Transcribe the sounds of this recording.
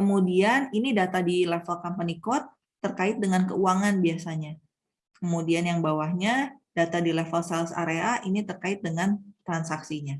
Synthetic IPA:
kəmudianinidat̪adilefəlkampanikɔt̪ː | ərkaɪt̪̚dəŋankəuaŋanbiasaɲa | kəmudianjaŋbawahɲadat̪adilefəlsɛlsa̰ɾeaʔinit̪ərkaɪt̪̚dəŋant̪ɾansaksiɲa

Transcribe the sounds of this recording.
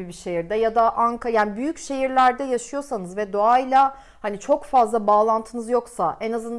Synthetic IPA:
ibiʃe̞jiɾd̪ɛjad̪aʔankʰajaːnibyjycʃe̞jiɾlʲæɾd̪ɛjaʃɯjo̞sanɯzvɛd̪oailʲˠa | hanit͡ʃʰo̞kfazlˠabaːlˠant̪ʰɯnɯzjo̞ksaɛnazɯnd̪

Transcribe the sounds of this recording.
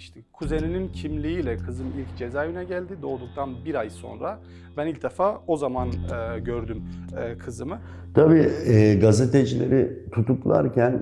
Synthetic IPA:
iʃt̪ʰɛkʰuze̞ninincʰimlʲiiːlʲɛkʰɯzɯmilʲcd͡ʒe̞zaːjynɛɟælʲd̪id̪o̞ːd̪uk̚t̪ʰanbiɾajso̞̰nɾa | bænilʲc̚d̪efaːo̞zamanɟøɾd̪ymːkʰɯzɯmɯ | t̪ʰabiːɛːɡazet̪ed͡ʒilʲḛɾit̪ʰut̪uklˠa̰ɾcʰæn

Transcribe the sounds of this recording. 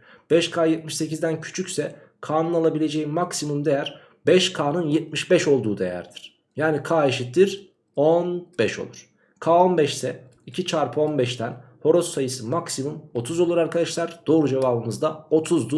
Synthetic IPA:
b̥ɛʃkʰaːjɛt̪̚miʃse̞cizd̪æncʰy̥t͡ʃʰycsɛ | kʰaːnɯnalˠabilʲe̞d͡ʒejimaksimumd̪e̞jæɾ̥ | bɛʃkʰaːnɯnjɛt̪̚miʃbɛʃo̞lˠd̪uːd̪e̞̰jæ̰ɾd̪iɾ̥ | jaːnikʰaːeʃit̪̚d̪iɾ | onb̥ɛʃo̞̰lˠuɾ̥ | kʰaːo̞nbɛʃsɛ | icʰit͡ʃʰaɾpʰɯo̞nbɛʃt̪ʰænho̞ɾo̞sːajɯsɯmaksimumo̞t̪ʰuzolˠuɾaɾkʰad̪aʃlˠaɾd̪̥o̞ːɾud͡ʒevaːbɯmɯzd̪ao̞t̪ʰuzd̪u

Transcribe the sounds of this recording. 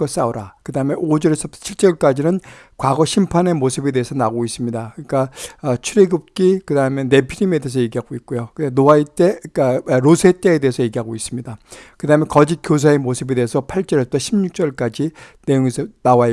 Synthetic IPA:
ʌs͈aoɾakɯdaɦɯme̞ʔod͡ʑʌɾesʰʌt͡ɕʰiɭt͡ɕ͈ʌɭk͈ad͡ʑinɯn | kwaɡʌɕʰimpʰane̞mosʰɯbe̞de̞ɦesʰʌnaɡois͈ɯmɲidakɯɲik͈aːt͡ɕʰuɾeɡɯp̚k͈ikɯdaɯmjʌnːe̞pʰiɾime̞dees̬ʰʌje̞ɡiɦaɡoik̚k͈ojokɯenoait͈ekɾosʰe̞t͈eːde̞ɦesʰʌje̞ɡiɦaɡois͈ɯmɲidakɯdaɦɯmenkʌd͡ʑik͈jos̬ʰae̞mosʰɯbe̞de̞ːesʰʌpʰaɭt͡ɕ͈ʌɾet͈ʰoɕʰimɲuk̚t͡ɕ͈ʌɭk͈ad͡ʑine̞joŋesʰʌnawa

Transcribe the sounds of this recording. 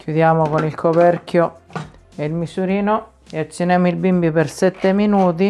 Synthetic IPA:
kʰjud̪jaːmokonilkʰopɛɾkjo | eilmisuɾiːno | eat͡ʃːinɛmoilbimbipersɛt̪ːeminuːt̪̬i

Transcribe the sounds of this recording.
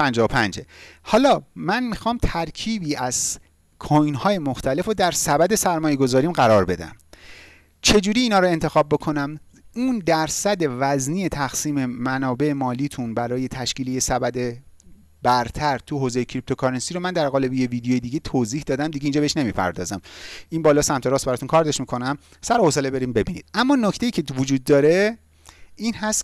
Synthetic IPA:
pʰænd͡ʒɒːopʰænd͡ʒehɒːlɒːmænmixɒːmt̪ʰæɾcʰiːbiːʔæz̥ | kʰojnhɒːje̞moxt̪ʰæle̞fod̪æɾsæbæd̪e̞sæɾmɒːje̞ɡo̞zɒːɾiːmɢæɾɒːɾbe̞d̪æ̰m | t͡ʃʰe̞d͡ʒuːɾiːnɒːɾoe̞nt̪ʰe̞xɒːb̚ːo̞kʰo̞næm | uːnd̪æɾsæd̪e̞væzniːet̪ʰæxsiːme̞mænɒːbe̞emɒːliːt̪ʰunbæɾɒːje̞t̪ʰæʃciːlejesæbæd̪e | b̥æɾt̪ʰæɾt̪ʰuhoːzejecʰɾip̚t̪ʰo̞kʰɒɾensiɾomænd̪æɾɣɒːle̞bijeviːd̪ejojed̪iɟet̪ʰoːziːhd̪ɒːd̪æmd̪iɟeind͡ʒɒbeeʃne̞miːpʰæ̰ɾd̪ɒ̰ːzæmʔinbɒːlɒːsæmt̪ʰe̞ɾɒːst̪bæɾɒːt̪ʰunkʰɒːɾd̪eʃmikʰo̞næm | sæɾohoselebe̞ɾiːmbe̞bḭːnḭd̪̥ʔæmːɒːnoct̪e̞iːcʰevod͡ʒuːd̪̚ːɒːɾe̞ | iːnhæst̪

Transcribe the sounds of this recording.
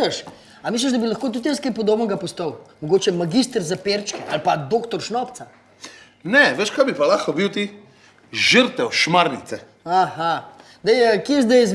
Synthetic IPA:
əʃ | amiːs̬ləʒd̪ɐbilɐxkoːt̪ut̪jəskajpɔd̪oːbnɛɡapɔst̪əwmoɡoːt͡ʃɛmaɡist̪əɾzapeɾt͡ʃkiʔalpad̪oːkt̪ɔɾʃnɔpt̪sa | nɛʋeʃkajbipalaːxkɔbiwt̪i | ʒəɾt̪ɛwʃmaɾnit̪sɛ | aha | d̪ɛjɛkezd̪ɛjz

